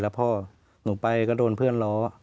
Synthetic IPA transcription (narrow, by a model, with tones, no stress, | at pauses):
la˧˦pʰɔː˧˥˩ | nuː˨˩˦pa˧jkɔː˧˩doː˧˨npʰɯ˥˩˨ənlɔː˨˦